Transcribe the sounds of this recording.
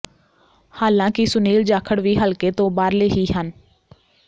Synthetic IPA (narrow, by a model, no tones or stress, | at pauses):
haːlãːkɪsʊniːld͡ʒaːkʰəɽʋiːɦəlkeːt̪õːbaːɾleːɦiːɦən